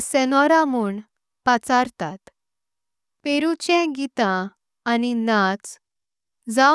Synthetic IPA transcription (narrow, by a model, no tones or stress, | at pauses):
sɛnɔɾamuːɳ | pat͡saɾt̪at̪ | peɾut͡ɕɛ̃ɡit̪ãː | ninat͡s | d͡za